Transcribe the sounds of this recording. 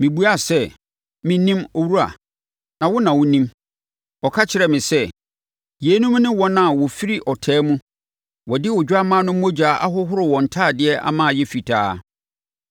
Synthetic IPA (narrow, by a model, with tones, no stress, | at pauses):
mĩ˨bu˦a˦˨sɛ˦˨ | mɪ̃˦nĩ˦mo˦wu˦ɾa̰˨ | nã˨wʊ˦nã˨wʊ̃˦nĩ˦m | ɔ˨kʰa˦t͡ɕʰɪ˨ɾɛ˨mɪ̃˨sɛ˦ | je˨˦nũ˦m˦nɪ̃˦wɔ̃˦nã˨wɔ˨fi˦ɾi˦ʔɔ˨tʰɛː˦mũ˦ | wɔ˨dɪ˦wʊ˨d͡ʑᶣa˦mãː˦nʊ̃˦m̩ː˦o˦d͡ʑᶣa˨˦ʔa̰˦ɦʊ˦ɦʊ˦ɾɪ˨wɔ̃˨n̩˨tʰaː˦˨dɪ˨˦ɛ˦ʔa̰˦mã˦a˨jɛ˦fi˨tʰaː˦